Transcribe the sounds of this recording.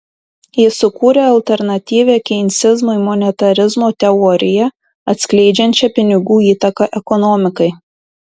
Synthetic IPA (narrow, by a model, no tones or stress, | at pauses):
jɪsʊkuːɾʲeːɐlʲt̪ʲɛɾnɐt̪ʲiːʋʲeːkʲɛɪnʲt̪sʲɪzmʊɪmɔnʲɛt̪ɐɾʲɪzmoːt̪ʲɛɔɾʲɪjɛ | ɐt̪ʲsʲklʲɛɪd͡ʒʲɛnʲt͡ʃʲɛpʲɪnʲɪɡuːiːt̪ɐkɐʔɛkɔnɔːmʲɪkɐɪ